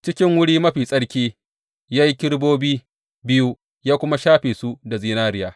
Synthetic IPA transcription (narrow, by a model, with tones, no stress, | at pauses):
t͡ʃɪ˦kʲɪ˦ŋwʊ˦ɽiː˦mɐ˦ɸiː˨sʼɐ˦ɽkʲiː˦ | jaː˦ji˦kʲɪ˦ɽboː˦biː˦ | bɪ˦ju˦ | jaː˦kʷʊ˦ma˦ʃaː˦ɸeː˨su˦da˨ziː˦naː˦ɾɪ˦jaː˦